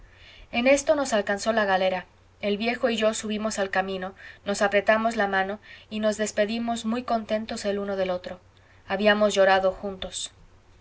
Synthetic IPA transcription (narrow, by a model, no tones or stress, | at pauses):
e̞ne̞st̪o̞no̞salkanso̞laɣale̞ɾa | e̞lβje̞xo̞iʝo̞suβ̞imo̞salkamĩno̞no̞sapɾe̞t̪amo̞zlamãno̞ino̞zðe̞spe̞ðimo̞zmujko̞nt̪e̞nt̪o̞seluno̞ðe̞lot̪ɾo̞ | aβiamozʝoɾaðo̞xunt̪o̞s